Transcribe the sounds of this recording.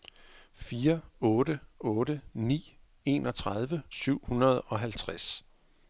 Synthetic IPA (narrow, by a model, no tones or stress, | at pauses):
fiːɐɔ̽ːɾəɔ̽ːɾənḭː | e̝̰nɒ̽t͡sʰʁɑð̞ˠʋəsyʊ̰hunɐð̞̩ˠɒ̽ɦælt͡sʰʁas